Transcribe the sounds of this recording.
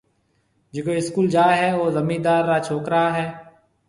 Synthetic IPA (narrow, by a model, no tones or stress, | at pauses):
d͡ʒekoːɪskuːld͡ʒaːɦɛːoːzəmiːd̪aːɾːaːt͡ʃʰoːkɾəɦaːɦɛː